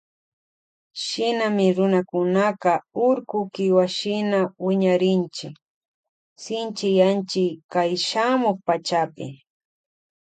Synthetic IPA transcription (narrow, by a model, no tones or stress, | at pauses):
ʃɪnamɪɾʊnakʊnaqɑʊɾkʊkɪwaʃɪnawɪɲaɾɪnt͡ʃɪk | sɪnt͡ʃɪjant͡ʃɪkajʃamoχpat͡ʃapɪ̰